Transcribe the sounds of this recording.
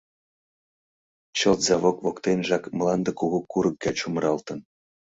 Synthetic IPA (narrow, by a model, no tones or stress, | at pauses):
t͡ɕɤlt̪zɑβokvokt̪enʲʒɑkmlˠɑnd̪ə̆kuɣukuɾɤ̆kːɑt͡ɕumɾɑlt̪ɤ̆n